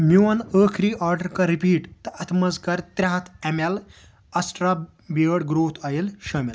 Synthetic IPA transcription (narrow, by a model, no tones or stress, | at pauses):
mjuwɐnəːkʰɾiːʔaɾɖəɾkaɾipiːʈt̪ɐʔɐt̪ʰməzkaɾt̪ɾʲaɦt̪ʰɛmal | ɐsʈɾa | biəɽɡɾoːt̪ʰajelɕəːmil